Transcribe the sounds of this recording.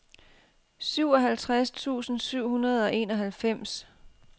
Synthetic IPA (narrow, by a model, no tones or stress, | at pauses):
syʊɒ̽ɦælt͡sʰʁast͡sʰṵːsn̩syʊ̰hunɐð̞̩ˠɒ̽ʔe̝ːnɒ̽ɦælfem̰s